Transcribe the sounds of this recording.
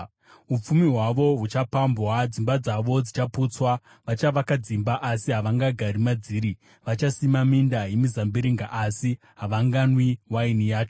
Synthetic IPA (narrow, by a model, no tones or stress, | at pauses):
up͡fumiɦwaʋo̞ɦut͡ʃapambwad͡zimbad͡zaʋo̞d͡zit͡ʃaput͡swa | ʋat͡ʃaʋakad͡zimbaʔasiɦaʋaŋɡaɡʱaɾimad͡ziːɾi | ʋat͡ʃasimamindaje̞mizambiɾiŋɡaʔasi | ɦaʋaŋɡanwiwainijaːt͡ʃo